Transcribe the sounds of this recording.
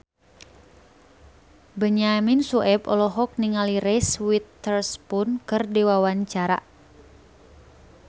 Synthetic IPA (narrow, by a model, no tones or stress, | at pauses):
bəɲaminsuʔɛbɔlɔɦɔk̚niŋaliɾɛswit̪ːərspʊnkɨrdiwawaɲt͡ʃaɾa̰